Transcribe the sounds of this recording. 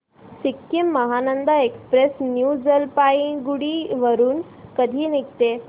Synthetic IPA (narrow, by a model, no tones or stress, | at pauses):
sikːimːəɦanənd̪aekspɾesnjud͡zəlpaiɡuɽiːʋəɾuːn | kəd̪ʱiːnik̚t̪e